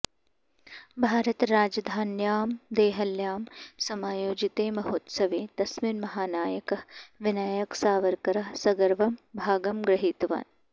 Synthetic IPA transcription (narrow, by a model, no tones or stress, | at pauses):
bʱaːɾɐt̪ɾaːd͡ʒɐd̪ʱaːnjaːmd̪eːɦɐljaːmsɐmaːjoːd͡ʒit̪eːmɐɦoːt̪sɐʋeːt̪ɐsminmɐɦaːnaːjɐkɐɦʋɪnaːjɐksaːʋɐɾkɐɾɐɦsɐɡɐɾʋɐmbʱaːɡɐmɡɾɐɦiːt̪ʋa̰ːn